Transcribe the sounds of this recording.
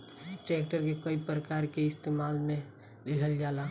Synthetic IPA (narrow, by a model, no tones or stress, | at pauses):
ʈeːkʈəɾkekəipɾəkaːɾkeɪst̪eːmaːlmẽ | lɪkʰəld͡ʒaːla